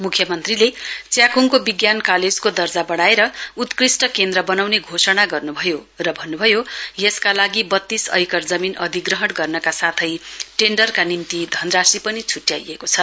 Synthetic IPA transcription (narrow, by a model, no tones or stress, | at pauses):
mukʰjʌmʌnt̪rilet͡sjakuŋkobiɡjankaled͡zkod̪ʌrd͡zabʌɽ̃aeɾʌut̪krisʈʌkend̪ɾʌbʌnawneɡʱosʌɽaɡʌrnubʱʌjo | rʌbʱʌnːubʱʌjojʌskalaɡibʌt̪ːisʌ̰jkʌrd͡zʌminʌd̪ʱiɡrʌɦʌɳɡʌrnʌkasat̪ʰʌjʈeɳɖʌrkanint̪id̪ʱʌnrasipʌnit͡sʰuʈja̰jekot͡sʰʌ